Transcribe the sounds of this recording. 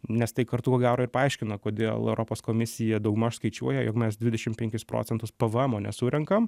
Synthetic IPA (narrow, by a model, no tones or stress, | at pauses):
nʲɛst̪ɐɪkɐɾt̪ʊkoːɡʲæːɾoːɪɾpɐɐɪʃʲkʲɪnɐkoːd̪ʲḛːlˠɛ̰ʊɾʔoːpoːskoːmʲɪsʲɪjɛd̪ɐʊɡʊmɐʃskɐɪt͡ʃʲuɔjɛjo̰ːkmʲɛsd̪ʲʋʲɪdʲɛʃʲɪmpʲɛŋʲkʲɪspɾo̰ːtt͡s̪ʲɛnt̪ʊspɐʋəɛmoːnʲɛsuɾʲɛŋkɐm